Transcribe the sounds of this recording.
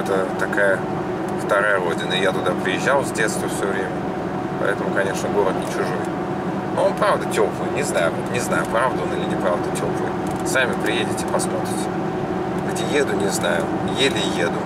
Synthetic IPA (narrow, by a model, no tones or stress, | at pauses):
ɛt̪ət̪ɐkajə | ft̪ɐɾajəɾo̞dʲɪnəɪjat̪ʊd̪apɾʲɪjɪʑːalˠzʲdʲe̞t̪st̪vəfsʲɵvɾʲemʲə | pɐ̰ʔɛ̰t̪əmʊkɐnʲe̞ʂnəɡo̞ɾət̪nʲɪt͡ɕʊʐoj | noonpɾavd̪ətʲo̞plˠɨjnʲɪznajʊnʲɪznajʊpɾavd̪əonɨlʲɪnʲɪpɾavd̪ətʲoplˠɨ̰j | samʲɪpɾʲɪjedʲɪtʲɪpɐsmo̞t̪ɾʲɪtʲ | vətʲɪjed̪ʊnʲɪznajʊ | jelʲɪjed̪ʊ